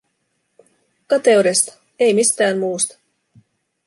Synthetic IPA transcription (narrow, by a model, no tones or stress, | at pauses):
kɑt̪e̞wɾest̪ɑ̥ | e̞jmist̪æːmmuːst̪ɑ̥